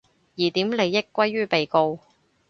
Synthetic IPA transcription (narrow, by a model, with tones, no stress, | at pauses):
jiː˨˩t̪iː˨˥mle˨˧jːɪ˥kːʷɐ˥jːyː˥pe˨jko˧w